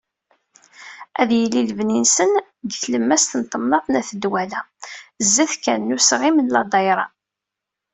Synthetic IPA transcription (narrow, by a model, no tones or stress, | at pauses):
æðjəlːiləvninsən | d̪θləmːæst̪ənt̪ˤːəmnɑθˤnæθəd̪wælæzːæθkænːusʁimənlɑd̪ˤɑjɾˤɑ